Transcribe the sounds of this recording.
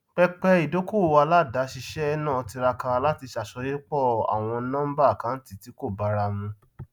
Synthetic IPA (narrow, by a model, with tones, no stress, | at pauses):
k͡pɛ˦˧k͡pɛ˧i˨do˨˦ko˦˨wa˧la˦˨da˨˦ʃi˧ʃɛ˦nã˦˨˧ti˧ɾa˧ka˧la˦ti˧ʃa˨ʃɔ˧je˦k͡pɔ˦˨a̰˨w̃ɔ̃˧˦nã˦m̩˦ba˦˨kã˨˦n̩˦ti˧˦ti˨˦ko˦˨ba˨˦ɾa˧mũ˧